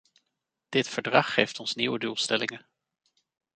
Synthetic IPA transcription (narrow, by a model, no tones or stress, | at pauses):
d̥ɪtfəɹdrɑχːejftɔnsniwədulˠstɛlɪŋə